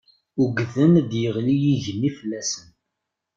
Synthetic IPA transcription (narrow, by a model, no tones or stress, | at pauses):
uɡðənd̪jəʁlijiʝənːifəlːæsən